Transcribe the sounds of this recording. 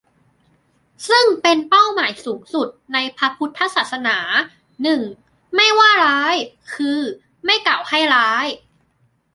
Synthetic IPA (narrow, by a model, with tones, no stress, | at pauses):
sɯ˥˩ŋpe˧npa˥˩wmaː˩˦jsuː˩˦ŋsu˨˩t̪̚na˧jpʰa˦˥pʰu˦˥t̪ʰːa˦˥saː˨˩t̪̚sa˧naː˩˦ | nɯ˨˩ŋ | ma˥˩jwaː˥˩ɾaː˦˥jkʰɯː˧ | ma˥˩jka˨˩wha˥˩jɾaː˦˥j